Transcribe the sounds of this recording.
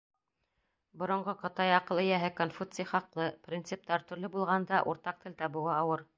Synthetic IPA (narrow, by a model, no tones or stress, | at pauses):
bŏɾŏɴɢɤqɤ̆t̪ɑjɑqɤ̆lˠɘ̆jæɦɘkonfut̪sɨjχɑqlˠɤprʲint̪sɨp̚t̪ɑɾt̪ɵ̆ɾlɘbulˠʁɑnd̪ɑʔuɾt̪ɑq̚t̪ɘ̆lʲt̪ɑbɤ̆wɑɑwɤɾ